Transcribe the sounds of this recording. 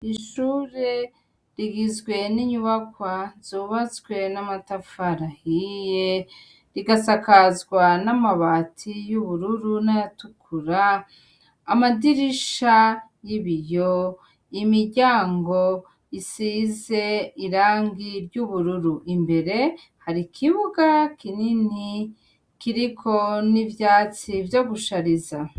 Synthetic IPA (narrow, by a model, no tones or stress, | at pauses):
iʃuːɾe̞ | ɾiɡizɡwe̞niɲuβakwaz̥uːβat͡sɡwe̞namatafaɾahije | ɾiɡasakazɡwanamaβaːtʰijuβuɾuɾunajatukʰuɾaː | madiɾiʃajiβijo | imiɾɟaːŋɡo | isize̞iɾaːŋɡiɾɟuβuɾuɾuʔimbe̞ɾe̞ | haɾikʰiβuɡakinini | kiɾikʰo̞nivjaːt͡sivjo̞ɡuʃaɾiza